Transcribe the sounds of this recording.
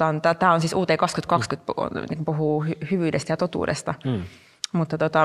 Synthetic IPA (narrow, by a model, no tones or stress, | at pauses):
ɑnt̪æt̪æːonsiːsuːt̪eikɑkskyt̪kɑkskyt̪pnḭŋkupuɦuːhyhyʋyːdest̪æjɑt̪ot̪ṵːdḛst̪ɑ | mut̪ːɑt̪ot̪ɑ